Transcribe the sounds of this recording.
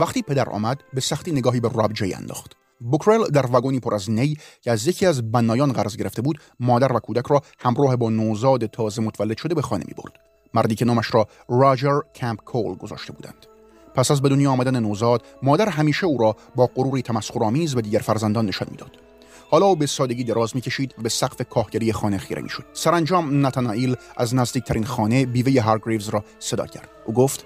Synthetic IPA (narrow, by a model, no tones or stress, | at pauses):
væχt̪iːpʰe̞d̪æɾʔɒ̰ːmæd̪be̞sæχt̪iːneɡɒːɦiːberɒːbd͡ʒej̰æ̰nd̪ɒ̰ːχt̪ | bokʰɾeld̪æɾvæɡoniːpʰoɾʔæznejcʰeæzje̞cʰiːæzbænːɒːjɒːnɢæɾzɡeɾe̞ft̪ebuːd̪ | mɒːd̪æɾvækʰuːd̪ækʰɾɒːhæmɾɒːhebɒːnoːzɒːd̪et̪ʰɒːze̞mot̪vælːed̪̥ʃoe̞be̞xɒːnemḭːbo̰ɾd̪̥ | mæɾd̪iːcʰe̞nɒːmæʃɾɒː | rɒd͡ʒeɾkʰæmpkʰolɡo̞zɒ̰ːʃt̪e̞bṵːd̪æ̰nd̪̥ | pʰæsæzbe̞d̪onjɒːmæd̪ænenoːzɒːd̪̥mɒːd̪æɾɦæmiːʃeuːɾɒː | bɒːɡoɾuːɾiːt̪ʰæmæsxoɾɒːmiːzbed̪iːɟæɾfæɾzænd̪ɒːnːe̞ʃɒ̰nmiːd̪ɒ̰ːd̪̥ | hɒːlɒːuːbesɒːd̪eɟiːd̪eɾɒːzmiːcʰe̞ʃiːd̪væbesæqfekʰɒːhɟæɾijexɒːnexiːɾḛmḭːʃo̞d̪̥sæɾænd͡ʒɒːmnæt̪ʰænɒːʔiːlʔæznæzd̪iːc̚t̪ʰæɾiːnxɒːne̞biːvejeɦæɾɡɾevzɾɒː | sed̪ɒ̰ːcʰæ̰ɾd̪ʔuːɡoft̪